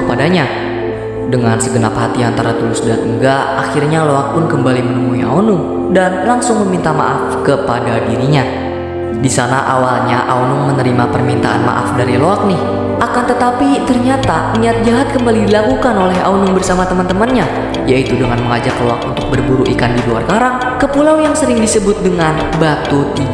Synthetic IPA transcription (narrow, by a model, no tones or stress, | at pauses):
kəpadaɲa | dəŋansəɡənaphat̪iant̪aɾat̪ulʊsdat̪əŋɡaʔaxirɲaloak̚pʊnkəmbalimənəmuia̰onuŋ | danlaŋsʊŋməmint̪ama̰ʔafkəpadadiɾiɲa | disanaʔawalɲaʔa̰onumənəɾimapərmint̪aa̰nma̰ʔa̰fdaɾiloak̚nɪh | ʔakant̪ət̪apit̪ərɲat̪a | niat̪̚d͡ʒaɦat̪̚kəmbalidilakukanolɛɦa̰onʊŋbərsamat̪əmant̪əmanɲa | jait̪udəŋanməŋad͡ʒakloak̚unt̪ʊk̚bərbuɾuʔikandilua̰rkaɾaŋ | kəpulawjaŋsəɾɪŋdisəbʊt̪̚dəŋan | bat̪ut̪̚i